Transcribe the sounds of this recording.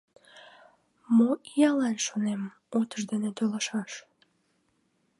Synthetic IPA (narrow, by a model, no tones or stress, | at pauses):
moijɑlɑnʃonem | ot̪əʃd̪enet̪oləʃɑʃ